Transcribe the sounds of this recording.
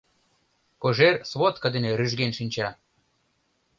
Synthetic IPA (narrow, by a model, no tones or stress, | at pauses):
koʒersβot̪̚kə̆d̪eneɾyʒɡenʃinʲt͡ɕɑ